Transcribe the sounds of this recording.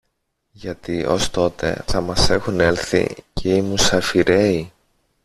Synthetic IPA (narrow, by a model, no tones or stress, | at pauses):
ʝɐt̪io̞̰st̪o̞t̪e̞̰θɐmɐse̞xune̞lθḭceimusɐfiɾe̞i